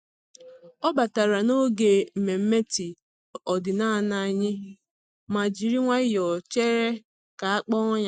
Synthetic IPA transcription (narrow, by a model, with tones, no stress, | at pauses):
ɔ˦ba˨ta˨ɾa˨no˦ɡe˨m̩˨me˨m̩˦me˦ti˨ | ɔ˨dɪ˨na˦˨na˦˨ɲɪ˦ | ma˨d͡ʒi˨ɾi˦ŋʷa˦ɪ˦jɔ˨t͡ʃe˦ɾe˦ | ka˨a˦k͡pɔ˦ɲa˨